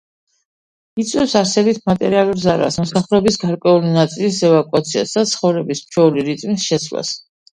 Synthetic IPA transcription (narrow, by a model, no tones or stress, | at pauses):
it̪sʼwɛsaɾsɛbit̪ʰmat̪ʼɛ̰ɾialˠuɾzaɾa̰smɔsaχlɛbisɡaɾkʼwɛulinat̪sʼilisɛvakʼwat̪sʰia̰sd̪at̪sʰχɔvɾɛbismt͡ʃʰɛuliɾit̪ʼmisʃɛsla̰s